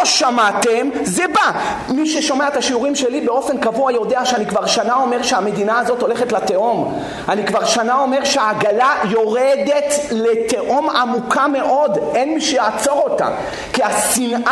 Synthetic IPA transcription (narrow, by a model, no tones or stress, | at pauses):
oʃamat̪emzeba | miʃeʃo̞meaet̪aʃiuʁimʃe̞libeo̞fe̞nkavuajo̞deaʃeanikvaʁʃanao̞me̞ʁʃeame̞d̪inaːzo̞t̪o̞le̞χetlat̪e̞ʔom | anikvaʁʃanao̞me̞ʁʃeaːɡalajo̞ʁed̪e̞tlete̞ʔomamukame̞ʔo̞denmiʃejaːt͡so̞ʁo̞t̪a̰ | kiasinʔa